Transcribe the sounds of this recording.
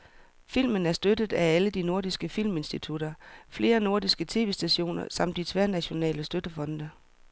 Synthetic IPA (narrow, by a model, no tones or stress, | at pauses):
fil̰mənæɐsd̥ød̥ð̞̩ˠææləd̥ino̝ɐd̥isɡ̥əfil̰me̝nsd̥it͡sʰud̥ɐfle̝ːɐno̝ɐdisɡ̥ət͡sʰe̝ːʋe̝sd̥æɕo̝̰ːnɐ̰sɑ̈m̰d̥it͡sʰʋæɐnæɕo̝nɛ̰ːləsd̥ød̥əfɒ̽nd̥ɐ